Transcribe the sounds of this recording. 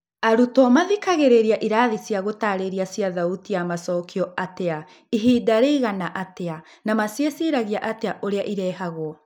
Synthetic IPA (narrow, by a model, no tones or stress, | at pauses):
aɾutɔmaðikaɣeɾeɾiaʔiɾaːðisjaɣotaːɾeɾiasjaðautijamasɔːkʰiɔatea | iɦiːdaɾeiɣanaʔatea | namasjesiɾaɣiaʔateaʔoɾeaʔiɾɛːɦaɣoɔ